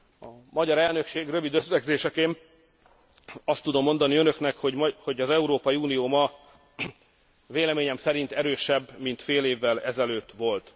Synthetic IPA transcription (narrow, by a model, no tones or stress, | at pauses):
ɒmɒɟɒɾɛlnø̞kʃeːɡrø̞vid̪øslɛɡzeːʃɛkeːn | ɒst̪ːud̪o̞mːo̞nd̪ɒniø̞nøknɛkhoho̞ɟɒzɛuɾoːpɒiuːnijoːmɒ | veːlɛmeːɲɛmsɛɾint̪ɛɾøːʃɛbːmint̪feːleːvːɛlɛzɛløːt̪ːʋo̞lt̪